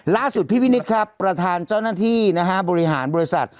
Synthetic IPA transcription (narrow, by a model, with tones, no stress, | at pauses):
laː˥˩su˨˩t̪̚pʰiː˥˩piː˦˥˩ni˦˥t̪̚kʰa˦˥pːɾa˧t̪ʰaː˧nt͡ɕaː˥˩wnaː˥˩t̪ʰiː˥˩na˦˥kʰa˦˥bɔː˧ɾi˦˥ɦaː˩˦nbɔː˧ɾi˦˥sa̰˨˩t̪̚